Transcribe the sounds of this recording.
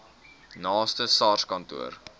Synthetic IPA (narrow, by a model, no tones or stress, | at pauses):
nɑːstəsɑːrskɐntṵər